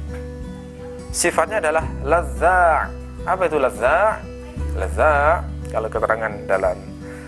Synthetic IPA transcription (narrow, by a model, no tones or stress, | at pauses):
sifat̪̚ɲaːdalahlazaʔ | apait̪ulazaʔ | lazaʔkalakət̪əɾʔaŋandalam